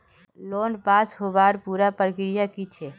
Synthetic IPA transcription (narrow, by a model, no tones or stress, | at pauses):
loːnpaːsɦobaɾpuɾapəɾəkɾɪjakit͡ʃʰɛ